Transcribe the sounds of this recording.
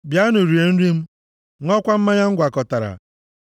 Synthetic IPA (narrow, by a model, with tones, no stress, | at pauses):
bja˦nʊ˨ɾi˨e˨n̩˦ɾi˦m̩˦ | ŋɔ˦kʷa˦m̩˦ma˦ɲa˦ŋ̩˦ɡʷa˨kɔ˨ta˨ɾa̰˨